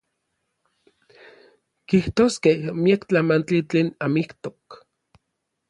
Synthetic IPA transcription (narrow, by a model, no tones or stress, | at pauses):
kiht̪oːskehmiakt͡ɬamant͡ɬit͡ɬeːnamikt̪ok